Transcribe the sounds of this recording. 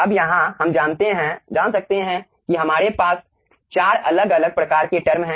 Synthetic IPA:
ɐbjɐɦãhɐmd͡ʒaːnt̪eɦɛ̃d͡ʒaːnsɐk̚t̪eɦɛ̃ | kiɦɐmaːɾepaːs | t͡ʃaːɾɐləɡɐləɡ̚pɾɐkaːɾkeʈɐɾmɦɛ̃ː

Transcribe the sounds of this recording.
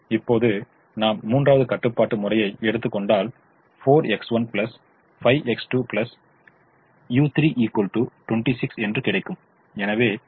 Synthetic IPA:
ɪpːoːðɯ | naːmmuːndraːʋɐðɯkɐʈːɯpːaːʈːɯmʊrɐjɐɪɛɽɯt̪ːɯkːɔɳɖaːl | foːɾɛksʋɐnpɪlɐs | fɐɪʋʔɛksʈuːplɐs | juːt̪ɪɾiːʔiːkɐlʈuːʈwɛɳʈisɪksɛndrɯkɪɽɐɪkːɯm | ɛnɐʋeː

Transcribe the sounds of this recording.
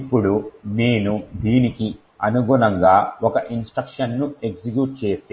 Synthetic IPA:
ipːuɽune̞ːnud̪iːniki | ɐnuɡulɐŋɡaːɔkɐʔinsʈɾɐkʂɐnːue̞ɡsikjuːʈ̚t͡ʃe̞ːst̪e

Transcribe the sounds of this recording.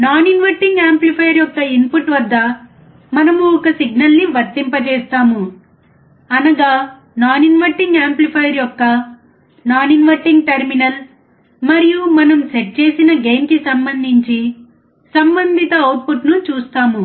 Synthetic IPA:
naːninʋɐɾʈiŋɡaːmplipʰɐjɐɾjɔkːɐimpuʈʋɐd̪ʱːɐ | mɐnɐmuɔkɐsiɡnɐlniʋɐɾt̪ːimpɐt͡ʃɛːst̪aːmu | ɐnɐɡaː | naːninʋɐɾʈiŋɡaːmplipʰɐjɐɾjɔkːɐ | naːninʋɐɾʈiŋɡʈɐɾminɐl | mɐɾijumɐnɐmseʈ̚t͡ʃeːsinɐɡe̞ːmkisɐmbɐnd̪ʱiɲt͡ʃi | sɐmbɐnd̪ʱit̪ɐɐwʈ̚puʈnut͡ʃuːst̪aːmu

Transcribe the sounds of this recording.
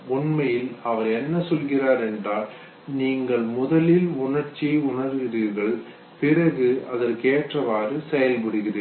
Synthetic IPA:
ʊnmɐjɪlɐʋɐɾɛnːɐsɔlɣɪraːɾɛɳdraːl | niːŋɡɐɭmʊðɐlɪlʊɳɐɾt͡ʃːiʊɳɐɾɣɪɾɯɾɣɐɭ | pɪrɐɣɯɐðɐɾkeːʈrɐʋaːrɯsɛjɐlpɪɽɯɣɪrɐ

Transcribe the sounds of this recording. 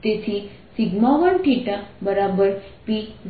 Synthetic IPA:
t̪esʰi | siɡmaʋəɳʈiʈabəɾabəɾpi

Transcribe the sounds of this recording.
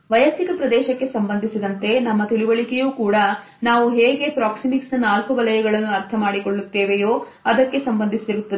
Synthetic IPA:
ʋɐjɐst̪ikɐpɾɐd̪ɛːʃɐkːe̞sɐmbɐnd̪ʱisid̪ɐnt̪e̞nɐmːɐt̪iɭuʋɐɭikejuːkuːɽɐ | naːʋuɦeːɡe̞pɾaːksimiksnɐnaːlkuʋɐlɐjɐɡɐɭɐnːuɐɾt̪ʰɐmaːɽiko̞ɭːut̪ːeːʋejoː | ɐd̪ɐkːe̞sɐmbɐnd̪ʱist̪iɾut̪ːɐd̪e

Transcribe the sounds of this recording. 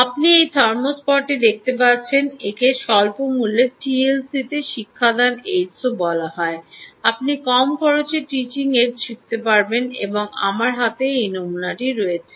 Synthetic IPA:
apniejt̪ʰɔɾmospɔɾʈid̪ek̚ʰt̪epaɾt͡ɕʰenekeʃɔlpomulːepʰielsit̪eʃikʰːad̪anejsobɔlaɦɔeapnikɔmkʰɔɾot͡ɕeʈit͡ɕiŋekʃik̚t̪epaɾbenḛboŋa̰maɾɦat̪eejnomunaʈiɾɔet͡ɕʰe

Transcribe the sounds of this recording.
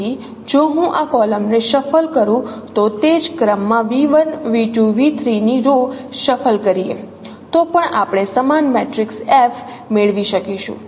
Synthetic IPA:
i | d͡ʒoɦũʔakɔləmneʃəfəlkəɾũt̪ot̪ed͡ʒkɾəmːãʋiʋənʋiʈũʋit̪ʰɾiniɾoʃəfʰəlkəɾiḛ | t̪opəɳapɽ̃esəmanmeʈɾiksefʰ | meɭʋiʃəkiʃṵ̃

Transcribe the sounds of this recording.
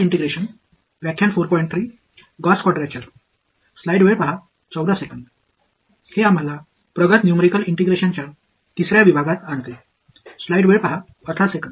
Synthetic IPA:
iɳʈeɡɾeɕən | ʋjakʰːjaɳfoɾpɔĩɳʈt̪ʰɾiː | ɡɔskwɔɖɾjat͡ɕaɾ | slajɖʋepəɦa | t͡səwd̪asekənd̪ | heam̤ala | pɾəɡət̪njumeɾikəliɳʈeɡɾeɕəɲt͡ɕja | t̪isɾjaʋibʱaɡat̪ant̪e | slajɖʋeɾpaɦa | ət̪ʰasekənd̪

